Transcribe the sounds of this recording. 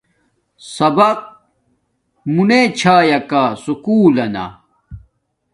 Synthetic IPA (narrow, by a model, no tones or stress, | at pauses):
sɐbɐq̚ | munet͡ɕʰaːjɐkasukuːlɐna̰